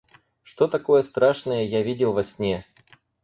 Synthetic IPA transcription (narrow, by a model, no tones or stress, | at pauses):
ʂt̪ot̪ɐko̞jəst̪ɾaʂnəjəjavʲidʲɪlˠvɐsʲnʲe